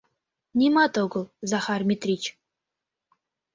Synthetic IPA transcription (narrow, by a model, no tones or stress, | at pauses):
nʲimɑt̪oɡɤ̆lˠzɑxɑrmʲit̪rʲit͡ɕ